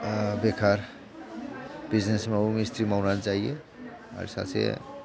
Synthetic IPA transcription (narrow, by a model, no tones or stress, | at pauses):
bekʰaɾ | bid͡ʒnesmeomist̪ɾimaʊnant͡ʃaːɦiḛ | a̰ɾsa̰sḛ